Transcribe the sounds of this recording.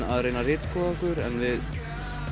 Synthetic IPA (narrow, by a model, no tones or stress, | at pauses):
aðrejnarɪːt̪skʰɔðakʏɾɛnvɪð